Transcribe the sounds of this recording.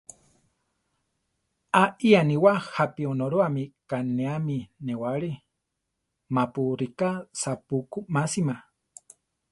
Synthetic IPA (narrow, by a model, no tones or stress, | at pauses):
aʔianiwahapionoɾoamikanẽaminewaɺi | mapuɾikasapukumasima